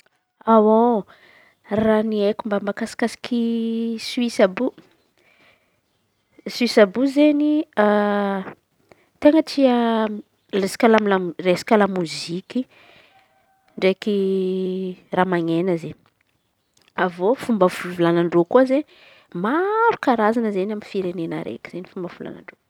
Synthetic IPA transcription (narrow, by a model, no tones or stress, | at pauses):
awo | raniekʲumbambakasi̥kasi̥kiswisabu | suisabuzenia | t̪eŋəʈ͡ʂia | lesi̥kʲalamilaresi̥kʲalamuzikʲi | ɳɖ͡ʐeki | ramaŋenəze | avofumbəvuvulanaɳɖ͡ʐokuazeɲ | maɾukaɾazanəzenaminfiɾenenə̰ɾʔḛkʲi̥z̥enifumbəvula̰na̰ɳɖ͡ʐo